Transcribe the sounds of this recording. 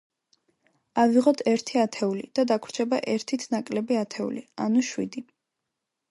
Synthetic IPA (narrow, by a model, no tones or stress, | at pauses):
aviʁɔt̪ʰɛɾt̪ʰiat̪ʰɛulid̪̥ad̪akʰwɾt͡ʃʰɛbaʔɛɾt̪ʰit̪ʰnakʼlɛbiat̪ʰɛṵlia̰nuʃwḭd̪i